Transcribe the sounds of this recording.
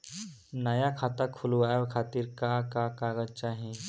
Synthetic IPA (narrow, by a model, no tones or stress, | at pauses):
nəjakʰaːt̪akʰulʋajʋkʰaːt̪iɾkakakaːɣəd͡ʒt͡ʃaːɦẽ